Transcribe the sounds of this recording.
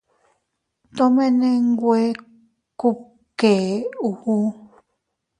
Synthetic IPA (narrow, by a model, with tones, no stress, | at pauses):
t̪õ˦mẽ˦nẽ˦ŋɡwe˦ | ku˦ | ke˨u˧hu˦